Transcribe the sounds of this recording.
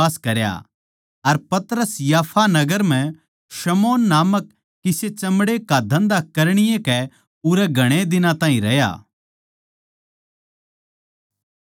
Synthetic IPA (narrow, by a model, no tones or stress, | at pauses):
aːskɐɾja̰ | ɐɾpɐt̪ɾəsjaːpʰanɐɡəɾm̤ɛ̃ | ʃɐmoːnːaːməkː | ɪset͡ʃɐmɽekad̪ʱɐ̃nd̪akɐɾɽ̃ɪjẽkɛ | ʊɾɛɡʱɐɽ̃ed̪ɪnãt̪ãːĩɾɐɦja̰ː